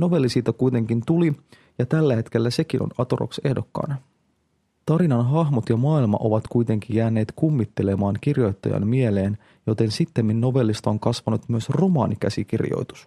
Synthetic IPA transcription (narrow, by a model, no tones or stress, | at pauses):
no̞ʋe̞lːisiːt̪ɑkujt̪e̞ŋkint̪uli | jɑt̪ælːæhe̞t̪k̟e̞lːæse̞kino̰nɑt̪oro̰kse̞hdo̞kːɑ̰ːnɑ | t̪ɑɾinɑnɦɑɦmot̪jɑmɑːilmɑ̰ʔo̞ʋɑt̪kujt̪e̞ŋk̟ijjæːnːe̞ːt̪kumːit̪ːe̞le̞mɑːŋk̟irjo̞jt̪ːɑjɑ̰nmmiele̞ːn | jot̪e̞nsit̪ːemːinːo̞ʋe̞lːist̪oŋkɑsʋɑnut̪myøsro̞mɑ̰ːnikæsik̟irjo̰jt̪u̥s